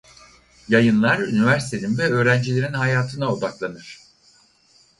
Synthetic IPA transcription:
jajɯnlˠaɾynivæɾsi̥t̪ʰeinvɛø̞ːɾænd͡ʒilʲe̞ɾinɦajaːt̪ʰɯnao̞d̪aklˠanɯɾ̥

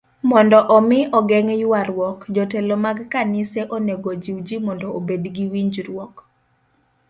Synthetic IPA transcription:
mɔndɔʔɔmɪʔɔɡɛŋjʊwaɾwɔkd͡ʒɔtɛlɔmaɡkanɪseʔoneɡod͡ʒiwd͡ʒimɔndɔobedɡiwiɲd͡ʒɾwɔk

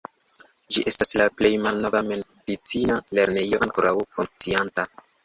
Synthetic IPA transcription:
d͡ʒiʔe̞staslaple̞jmalno̞vame̞ndit͡sinale̞ɾne̞jo̞ʔaŋkoɾawfuŋk̚t͡sianta

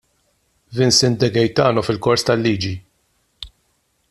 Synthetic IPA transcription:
vɪnsɪnd̪ɛɡɛjt̪ɐːnɔfɪlkɔɾst̪ɐlːiːd͡ʒi

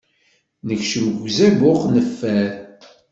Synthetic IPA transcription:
nəçʃəmɡzæbʊqnəfːæɾ

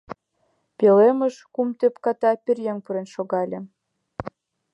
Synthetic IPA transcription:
pʲelemə̆ʃkumt̪epkɑt̪ɑpʲerjeŋpuɾenʃoɣɑlʲĕ

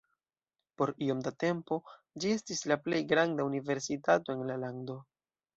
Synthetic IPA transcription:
po̞ɾio̞mdate̞mpo̞ | d͡ʒie̞stislaple̞jɡɾandaunive̞ɾsitato̞e̞nlalando̞

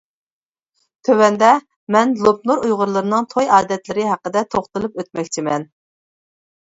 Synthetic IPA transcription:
t̪ʰøwɛnd̪ɛ | mɛnlˠop̚nuɾujʁʊɾlˠɨɾɨnɨŋt̪ʰojɑːd̪ɛt̪lɪɾɪɦæqːəd̪ɛt̪ʰoχt̪ɨlˠupøt̪̚mɛkʲt͡ʃʰimɛn

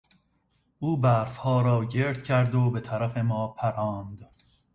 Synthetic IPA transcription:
ʔuːbæːɾfhɒːɾɒːɟeɾd̪̥̚cʰæɾd̪obe̞t̪ʰæɾæfemɒːpʰæɾɒːnd̪

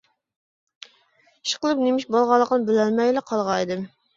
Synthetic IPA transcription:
i̥ʃqəlˠɨpnemiʃbɑlˠʁɑlˠːəqənɨbɪlælmɛjlɛqʰɑlˠʁɑjd̪ɨm

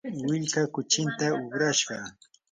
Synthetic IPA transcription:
wɪʎkakʊt͡ʃɪnt̪aʊɢɾaʃɢɑ

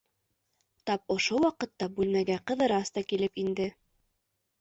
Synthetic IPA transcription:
t̪ɑp̚ŏʃowɑqɤ̆t̪ːɑbʉlmæɡæqɤ̆ðɤ̆ɾɑst̪ɑkilɘpind̪ɘ

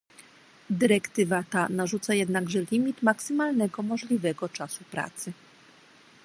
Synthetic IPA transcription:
d̪ɘɾɛkt̪ɘvat̪anaʐut̪sajɛd̪naɡʐɛlʲimʲit̪maksɘmalnɛɡɔmɔʐlʲivɛɡɔt͡ʂasupɾa̰t̪sɘ

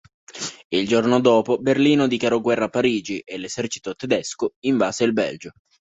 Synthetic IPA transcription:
ild͡ʒornod̪oːpoberliːnod̪ikaɾɔɡwɛrːapːaɾiːd͡ʒiʔelːezɛrt͡ʃi̥t̪ot̪ed̪ɛskoiɱvaːzeilbɛ̰ld͡ʒo

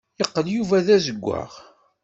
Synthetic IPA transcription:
jəqːəljuvæðæzəɡʷːa̰ʁ

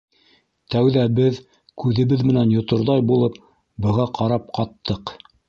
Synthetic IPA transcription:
t̪æwðæbɘð | kʉðɘ̆βɘðmɘ̆nænjŏt̪ŏɾðɑjbulˠɤp̚ | bɤ̆ʁɑqʰɑɾɑp̚qɑt̪ʰːɤq

